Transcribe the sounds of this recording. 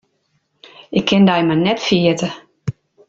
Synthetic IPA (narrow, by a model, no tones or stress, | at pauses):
ɪkʰːɪndajmanɛtfiətə